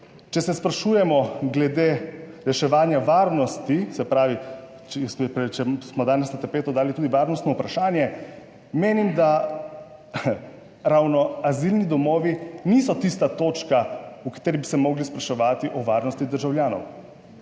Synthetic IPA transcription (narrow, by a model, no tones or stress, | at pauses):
t͡ʃɛsɛspɾaʃuːjɛmɔɡlɛd̪eɾɛʃɛʋaːnjaʋaːɾnɔst̪isɛpɾaːʋi | t͡ʃɛpɾɛt͡ʃɛsmɔd̪aːnɛsnat̪ɛɾpeːt̪ɔd̪aːlit̪uːd̪iʋaːɾnɔst̪nɔupɾaʃaːnjɛ | meːnimd̪a | ɾawnɔazilnid̪ɔmɔːʋiniːsɔt̪ist̪at̪oːt͡ʃkaukḁt̪eːɾibisɛmɔːɡlispɾaʃɛʋaːt̪iʔɔʋaɾnɔst̪id̪əɾʒawljaːnɔ̰w